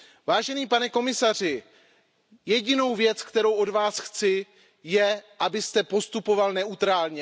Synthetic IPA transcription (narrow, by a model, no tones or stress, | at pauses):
vaːʒɛniːpanɛko̞mɪsar̝ɪ | jɛɟɪno̞wvjɛt͡skt̪ɛɾo̞wʔo̞dvaːsxt͡sɪ | jɛʔabɪst̪ɛpo̞st̪upo̞valnɛut̪ɾaːlɲɛ